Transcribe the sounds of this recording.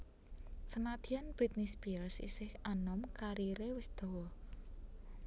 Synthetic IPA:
sənad̪̥ianb̥ɾit̪̚nisbilsḭsɪhanɔmkaɾiɾewɪsd̪̥o̤wɔ

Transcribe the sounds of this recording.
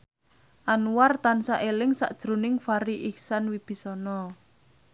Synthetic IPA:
ʔanuwart̪ansaʔelɪŋsa̰ʔd̥ʒ̥ɾṳnɪŋfaɾiʔihsanwib̥i̤sɔnɔ

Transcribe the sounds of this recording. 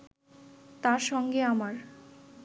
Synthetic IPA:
t̪aɾʃɔŋɡeamaɾ

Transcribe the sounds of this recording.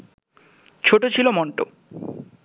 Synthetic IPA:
t͡ɕʰoʈot͡ɕʰilomɔɳʈo̰

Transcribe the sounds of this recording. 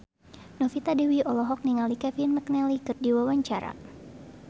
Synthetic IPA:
nɔfit̪adɛwiɔlɔɦɔk̚niŋalikɛvinmak̚nɛlikɨrdiwawaɲt͡ʃaɾa̰

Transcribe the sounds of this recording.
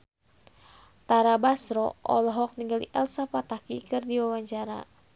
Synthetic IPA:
t̪aɾabasɾɔʔɔ̰lɔɦɔk̚niŋɡalḭʔɛlsapat̪akikɨrdiwawaɲt͡ʃaɾa̰

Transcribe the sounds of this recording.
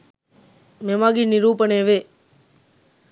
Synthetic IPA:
mẽːmaːɡiːnɪɾuːpənẽːʋeː

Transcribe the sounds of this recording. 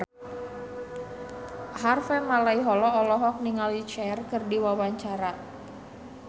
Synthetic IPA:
harfɛmalaiɦɔlɔɔlɔɦɔk̚niŋalit͡ʃɛrkɨrdiwawaɲt͡ʃaɾa

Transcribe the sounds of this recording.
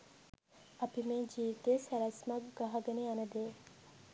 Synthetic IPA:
ɐpimeːd͡ʒiːʋit̪esɐɾɐsmɐɡɡɐɦɐɡɐneɐnɐd̪eː

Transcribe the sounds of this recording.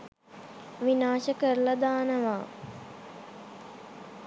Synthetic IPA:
ʋinaːʃəkəɾləd̪aːnəʋaː

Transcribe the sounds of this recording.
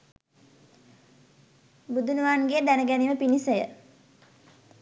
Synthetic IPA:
bud̪unuʋaːnɡed̪ænəɡæniʋəpinisəjə̰

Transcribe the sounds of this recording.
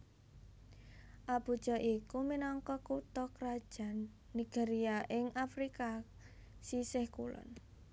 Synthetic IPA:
ʔab̥ṳd̥ʒ̥ɔ̤ʔikuminɔŋkɔkut̪ɔkɾad̥ʒ̥a̤nː | iɡ̥eɾiaʔɪŋafɾika | sisɪhkṵlɔ̰n

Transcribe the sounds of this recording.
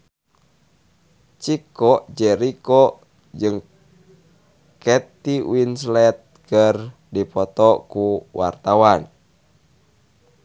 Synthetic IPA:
t͡ʃikɔʔd͡ʒɛɾikɔ | d͡ʒɨŋ | kɛt̪iwinslɛt̪̚kər | dipɔt̪ɔkuwa̰rt̪awan

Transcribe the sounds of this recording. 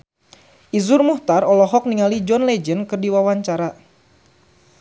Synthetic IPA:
ʔizurmuht̪arɔlɔɦɔk̚niŋalid͡ʒɔnlɛd͡ʒənkɨrdiwawaɲt͡ʃaɾa

